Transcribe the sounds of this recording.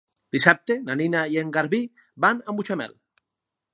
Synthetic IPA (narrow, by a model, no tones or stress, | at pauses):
d̪̥isap̚t̪enaninajeŋɡaɾβi | banambut͡ʃamɛ̰l